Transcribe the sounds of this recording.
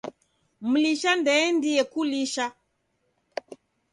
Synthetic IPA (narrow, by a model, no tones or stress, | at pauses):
m̩liʃandɛːndiɛkuliʃa